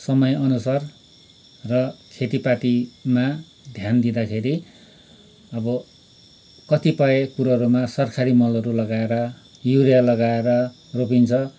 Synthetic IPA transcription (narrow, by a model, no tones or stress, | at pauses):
sʌmʌjʌnusar | rʌkʰet̪ipaʈima | d̪ʱjand̪id̪akʰeɾi | ʌbʌ | kʌt̪ipʌekuɾʌɾumasʌrkʰaɾimʌlʌɾulʌɡaeɾʌ | juɾijalʌɡaeɾʌ | ropint͡sʰʌ